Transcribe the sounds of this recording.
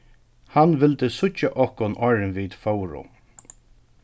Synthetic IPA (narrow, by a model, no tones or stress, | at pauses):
hanʋɪlt̪əsʊt͡ʃːaʔɔhkɔnʔɔɹnʋiːt̪fɔwɾʊ̰